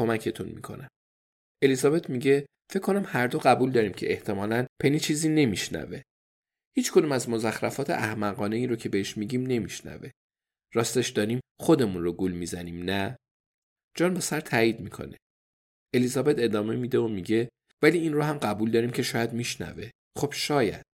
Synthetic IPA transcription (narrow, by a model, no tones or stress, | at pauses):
kʰo̞mæcʰe̞t̪ʰunmḭːkʰo̞̰næm | e̞lizɒːbe̞t̪ʰmiɟe̞ | fecʰːo̞næmhæɾd̪oɣæbuld̪ɒːɾiːmcʰe̞eht̪ʰe̞mɒːlænpʰenit͡ʃʰiːziːne̞miʃnæ̰ve̞ | hiːt͡ʃkʰo̞d̪uːmæzmo̞zæxɾæfɒːt̪ʰe̞̰ʔæhmæɣɒːne̞iːɾocʰe̞beheʃmiɟiːmne̞miʃnæ̰ve̞ | ɾɒːst̪e̞ʃd̪ɒːɾiːmxo̞d̪e̞munroɡulmiːzæniːmnæ | d͡ʒɒːnbe̞sæɾt̪ʰæːiːd̪miːkʰo̞̰ne̥ | e̞lizɒːbe̞t̪e̞d̪ɒːme̞mid̪e̞omiɟe̞ | væliːinrohæmɢæbuːld̪ɒːɾiːmcʰe̞ʃɒːjæd̪miʃnæ̰ve̞ | χo̞b̥ʃɒːjæ̰d̪̥